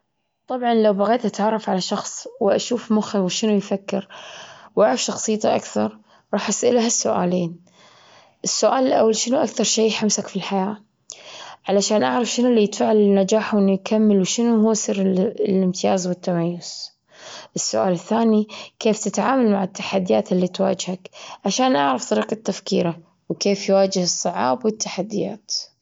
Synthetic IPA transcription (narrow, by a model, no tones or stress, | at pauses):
t̪ˤɑbʕɑnlawbaɣeːt̪ʔat̪ʕɑrˤːɑfʕalaʃɑxsˤwɪʔaʃuːfmʊxɪwʃɪnujfakːɪɾwʔaʕɾɑfʃɑxsˤɨjːt̪aʔa̰kθɑɾˤ | ɾˤɑːħʔasʔɪlahasːʊʔa̰ːleːn | ʔɪsːʊʔaːlɪlʔawːalʃɪnuʔakθɑɾˤʃeːħamsakfilħajaː | ʕalaʃaːnʔaʕɾˤɑfʃɪnulːiːjɪt̪faːʕalɪnːad͡ʒaːħwʔɪnːujkamːɪlwʃɪnuhʊːsˤiːɾlɪmt̪ɪjaːzwɪt̪ːamajːʊz̥ | ʔɪsːʊ̰ʔa̰ːlɪθːaːnikeːft̪ɪt̪ʕaːmalmaʕɪt̪ːḁħad̪ːɪjaːt̪ɪlːiːt̪wa̰ːd͡ʒhakʕaʃaːnʔaʕɾˤɑft̪ˤɑɾiːqat̪ːafkḭːɾa | wkeːfjwaːd͡ʒɪhɨsˤːɨʕɑ̰ːbwɪt̪ʰːaħad̪ːɪja̰ːt̪